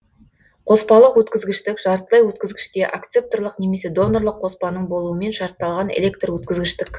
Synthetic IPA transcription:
qʰo̞spɑlˠəqwɵt̪kʲɪzɡʲɪʃt̪ɪkʒ̥ɑɾt̪əlˠɑjwɵt̪kʲɪzɡʲɪʃt̪e̞ʔakt̪sep̚t̪orlˠəqneme̞se̞d̪o̞nːorlˠəqʰːo̞spɑnəɴbo̞lˠuəme̞nʃɑɾt̪ːɑlˠʁɑnḛlʲe̞kt̪rwɵt̪kʲɪzɡʲɪʃt̪ɪk

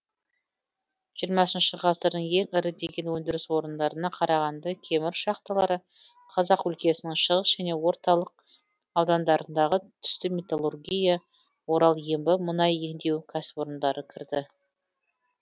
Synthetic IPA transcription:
ʒ̥ijəɾmɑsənʃəʁɑsd̪əɾd̪əɴje̞ŋɪɾɪd̪e̞ɡʲe̞nwɵnd̪ɪɾɪswo̞ɾənd̪ɑɾənɑqʰɑɾɑʁɑnd̪ɑkʲʰe̞mɪɾʃɑqt̪ɑlˠɑɾə | qʰɑzɑqʏlkʲe̞sɪnɪŋʃəʁəsʒ̥æne̞wo̞ɾt̪ɑlˠəq̚ | ɑwd̪ɑnd̪ɑɾənd̪ɑʁət̪ʰʏ̥st̪ɪmʲet̪olˠurɡʲija | wo̞ɾɑlˠjembɪmənɑje̞ŋd̪e̞wkʲʰæsɪ̥po̞ɾənd̪ɑɾəkʲʰɪɾd̪ɪ

